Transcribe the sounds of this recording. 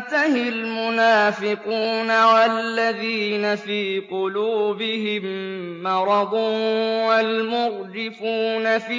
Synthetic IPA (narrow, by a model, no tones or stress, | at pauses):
t̪ahɪlmʊnaːfɪquːnawallːaðiːnafiːqʊluːbɪhɪmːɑɾˤɑd̪ˤuːwalmʊɣdɪfuːnafi